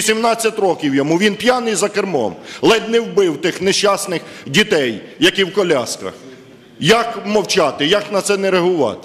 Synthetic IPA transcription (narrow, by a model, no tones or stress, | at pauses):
sʲimnɑt͡sʲːɐtʲɾɔkʲiwjɔmuʋʲinpjanɪjzɐkermɔ̰mlˠɛd̪nɛwbɪwt̪ɪxneʃt͡ʃːɑsnɪxdʲit̪ɛjjɐkiwkɔlʲaskɐ̰x | jɐkmɔwt͡ʃɑt̪ɪjɐknɐt̪sɛneɾɐɦʊʋɑ̰t̪ɪ̥